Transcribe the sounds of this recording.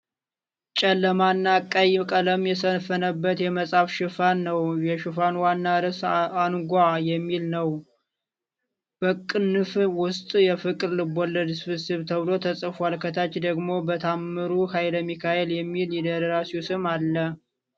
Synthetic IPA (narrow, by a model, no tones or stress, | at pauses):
t͡ʃʼɛlːəmanːakʼːajkʼələmjɛsəfənəbːət̪jɛməsʼafʃɨfanːəwjɛʃɨfanwanːaɾɨsanɡʷajɛmːilnəw | b̥əkʼːɨnɨfwʊst̪ʼjɛfɨkʼɨɾlɨbolːəd̪sɨfɨsɨβt̪ʰəβlo̞t̪ʰəsʼəfalkʰət̪ʰat͡ʃːd̪əɡmo̞bət̪ʰamːɨɾuhajləmːikʰaeljɛmːiljɛd̪əɾəɾasiusɨmalːə